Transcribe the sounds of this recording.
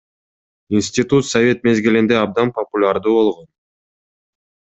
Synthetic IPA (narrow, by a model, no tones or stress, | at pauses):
insʲtʲit̪ut̪sɐvʲe̞t̪me̞zɡilind̪eɑb̚d̪ɑnpɐpulʲaɾd̪uːβo̞lˠʁo̞n